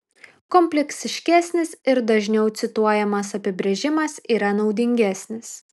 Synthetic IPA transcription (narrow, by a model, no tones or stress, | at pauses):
kɔmʲpʲlʲɛksʲɪʃʲkʲæːsʲnʲɪsɪɾd̪ɐʒʲnʲɛʊt̪sʲɪt̪uɔjɛmɐsɐpʲɪbʲɾʲɛʒʲɪmɐsiːɾɐnɒʊd̪ʲɪŋʲɡʲæːsʲnʲɪs